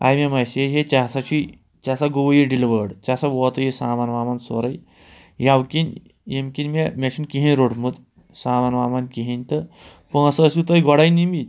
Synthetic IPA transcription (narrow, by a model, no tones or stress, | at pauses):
a̰jmemajseɦet͡ɕasat͡ʃi | t͡ʃasaɡoʋjiɖiliʋəɽt͡ɕasaʋɔt̪ɐjisaːmanʋaːmanso̰ɾaj | jawkin | jemkinmemʲaɕʰinkiɦĩnʲɾoʈmut̪ | saːmanʋaːmankiɦint̪ə | pə̃səːsut̪əjɡɔɽajnimit̪